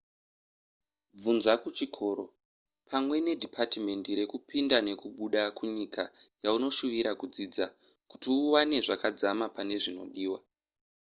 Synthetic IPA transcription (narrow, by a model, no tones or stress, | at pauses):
b͡vunzakut͡ʃikʰo̞ːɾo̞ | pʰamwe̞ne̞dipʰatime̞ndiɾe̞kupʰindane̞kuɓuɗakuɲikʰajauno̞ʃuʋiɾakud͡zid͡za | ku̥tiuwane̞ʐakad͡zamapane̞ʐino̞̰ɗiːwa